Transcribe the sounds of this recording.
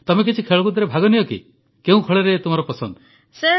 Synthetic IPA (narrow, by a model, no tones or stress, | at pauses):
t̪ɔmek̬it͡ʃʰikʰeɭɔkud̪ʱaɾebʱaɡɔnijɔkḭ | keũkʰɔɭeɾet̪um̤aɾɔpɔsɔnd̪ | se